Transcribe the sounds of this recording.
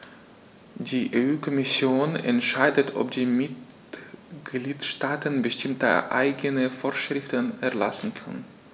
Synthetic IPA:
d̥iːʔeyːkʰɔmɪsjoːnɛ̰ntʃaɪdətʰʔɔ̰pd̥iːmɪt̚ | ɡ̥liːtʃtaːtənbəʃtɪmtə̰ʔa̰ɪɡənəfoːɐʃʁ̥ɪftənɛɐlasn̩kʰanən

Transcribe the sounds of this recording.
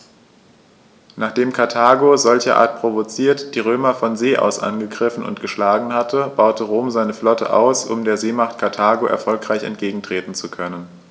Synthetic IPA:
naːχd̥eːmkʰaɐtʰaːɡozɔlçəʔa̰ːɐt̚pʁ̥ovot͡siːɐtd̥iːʁ̞øːmɐfɔnzeːʔa̰ʊsʔa̰nɡəɡʁɪfn̩ʊ̰ntɡ̥əʃlaːɡŋ̩hatʰəb̥aʊtəʁoːmzaɪnəflɔtə̰ʔa̰ʊsʔʊmdeːɐzeːmaχtkʰaɐtʰaːɡoʔɛ̰ɐfɔlkʁ̥aɪçɛ̰nt̚ɡ̥eːɡŋ̩tʁ̥eːtn̩t͡sukʰœnən

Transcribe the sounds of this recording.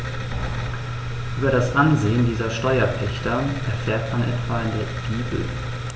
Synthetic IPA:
ʔyːbɐɾasʔanzeːəndiːzɐʃtɔʏɐpʰɛçtɐʔɛɐfɛːɐtmanʔɛtv̥aːɪndeːɐɡ̥iːbl̩̰

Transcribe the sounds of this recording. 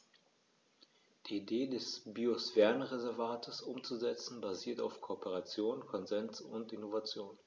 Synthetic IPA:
d̥iːideːdɛsbiosv̥ɛɐnʁezɛɐvaːtʰəsʔʊmt͡suzɛt͡sn̩baziːɐtaʊfkʰoːpəʁat͡sjoːnkʰɔnzɛnsʊ̰ntʔɪnovat͡sjoːn

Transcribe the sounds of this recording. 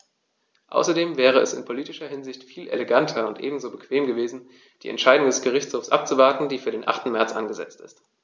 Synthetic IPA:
ʔa̰ʊsɐdeːmvɛːʁ̞əɛsɪ̰npʰoliːtɪʃɐɦɪnzɪçtfiːlʔḛleɡantʰɐʊntʔḛːbm̩zoːbəkv̥eːmɡəveːzn̩ | d̥ḭːʔɛ̰ntʃaɪdʊŋdɛsɡ̥əʁ̞ɪçt͡shoːfsʔa̰p̚t͡suvaɐtn̩diːfyːɐɾeːnʔa̰χtn̩mɛɐt͡sʔanɡəzɛ̰t͡stɪ̰st

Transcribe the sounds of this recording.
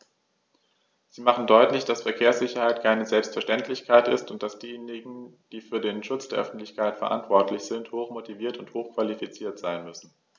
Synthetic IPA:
z̥iːmaχn̩dɔʏtlɪçd̥asfɛɐkʰeːɐsz̥ɪçɐhaɪtkʰaɪnəzɛlpstfɛɐʃtɛntʰlɪçkʰaɪtɪstʊnt̚d̥asd̥iːjeːnɪɡŋ̩d̥iːfyːɐdeːnʃʊt͡sd̥eːɐʔœ̰fn̩tlɪçkʰaɪtfɛɐʔa̰ntv̥ɔɐtʰlɪçz̥ɪnthoːxmotʰiviːɐtʊnthoːxkv̥alifit͡siːɐtz̥aɪnmʏsn̩

